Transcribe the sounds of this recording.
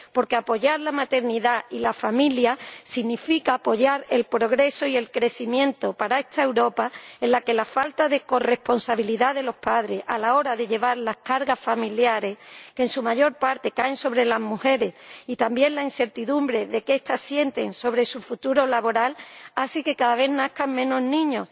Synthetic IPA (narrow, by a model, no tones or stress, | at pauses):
po̞ɾke̞apo̞ʝaɾlamat̪e̞ɾniðailafamiljasiɣnifikaːpo̞ʝaɾe̞lpɾo̞ɣ̞ɾe̞so̞ie̞lkɾe̞θimjẽ̞nt̪o̞paɾae̞st̪aewɾo̞pae̞nlake̞lafalt̪aðe̞ko̞re̞hpo̞nsaβ̞iliðaðe̞lo̞hpaðɾe̞sa̰lao̞ɾaðe̞ʎe̞β̞aɾlahkaɾɣasfamiljaɾe̞skensumaʝo̞ɾpaɾt̪e̞kaenso̞βɾe̞lazmuhe̞ɾe̞sit̪ambje̞nlainθe̞ɾt̪iðumbɾe̞ðe̞kest̪asje̞nt̪e̞nso̞βɾe̞sufut̪uɾo̞laβo̞ɾalaseke̞kaðaβ̞e̞hnahkaŋmẽ̞no̞znĩɲo̞s